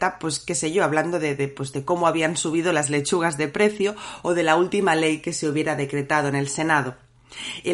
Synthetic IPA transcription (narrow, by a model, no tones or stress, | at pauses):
t̪apwe̞ske̞seʝoaβland̪o̞ðeðepwe̞zðe̞ko̞moaβ̞iansuβ̞ið̞o̞lazle̞t͡ʃuɣ̞azðe̞pɾe̞θjoːð̞e̞lault̪imale̞jke̞se̞uβje̞ɾaðe̞kɾe̞t̪að̞o̞ene̞lse̞naðo̞ | e